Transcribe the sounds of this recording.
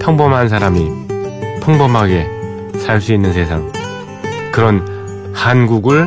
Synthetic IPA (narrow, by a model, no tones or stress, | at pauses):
pʰjʌŋbʌmɦansʰaɾami | pʰɯŋbʌmɦaɡe̞ | sʰaɭs͈uinːɯnsʰe̞sʰaŋ | kɯɾʌn | hanɡuɡɯɭ